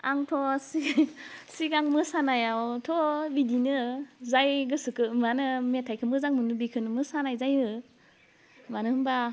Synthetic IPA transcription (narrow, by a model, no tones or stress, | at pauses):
a̰ŋtʰɔsisiɡaŋmɯsanajawtʰɔbidinɯzajɡɯsɯkɯmanɯmetʰajkʰɯmɯzaŋmɯnɯbikʰɯnɯmɯsanajzajmɯ | manɯhɯmba